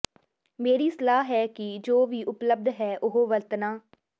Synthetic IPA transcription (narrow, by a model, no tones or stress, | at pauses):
meːɾiːsəlaːɦɦɛːkɪd͡ʒoːʋiːʔʊpləb̚d̪ɦɛːʔʊɦoːʋəlt̪naː